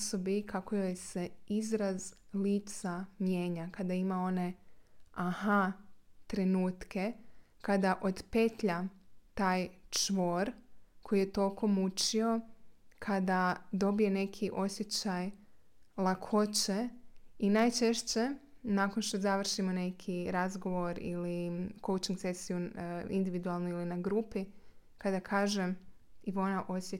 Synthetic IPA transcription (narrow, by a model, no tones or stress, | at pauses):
sobikʰako̞jojse̞izɾazliːt̪samje̞ːɲakad̪aimao̞ne̞ | ahat̪ɾe̞nuːt̪kʰe̞kad̪aʔo̞d̪pe̞t̪ʎat̪aːjt͡ʃʋo̞ːɾkʰo̞jijet̪o̞lko̞mut͡ʃio̞kʰad̪ad̪o̞bije̞ne̞kʰiʔo̞sje̞t͡ɕaj | lˠakʰo̞t͡ɕeinaːjt͡ʃe̞ʃt͡ɕe̞naːkonʃt̪ozaʋr̩ʃimo̞ne̞kʰiɾazɡo̞ʋo̞ɾḭliko̞wt͡ʃiŋɡse̞sijuind̪iʋid̪ualˠnuilinaɡɾuːpi | kad̪akʰaːʒem | iʋonaʔo̞sje